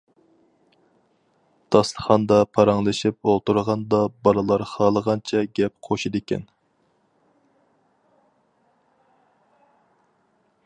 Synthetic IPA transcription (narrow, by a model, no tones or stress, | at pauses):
d̪̥ɑst̪əχɑnd̪ɑpʰɑɾɑŋlˠɨʃip̚olˠt̪uɾʁɑnd̪ɑbɑlˠɨlˠɑɾχɑːlˠəʁɑnt͡ʃʰɛɡʲɛp̚qʰoʃid̪ɪkʲɛ̰n